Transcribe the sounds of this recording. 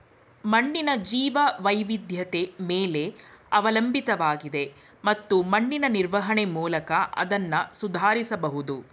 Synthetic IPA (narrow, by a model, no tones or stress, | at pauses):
mɐɳːinɐd͡ʒiːʋɐʋɐjʋid̪ʱjɐt̪emeːle̞ɐʋɐlɐmbit̪ɐʋaːɡid̪e̞ | mɐt̪ːumɐɳːinɐniɾʋɐɦɐɳemuːlɐkɐʔɐ̰d̪ɐnːɐsud̪ʱaːɾisɐbɐɦud̪u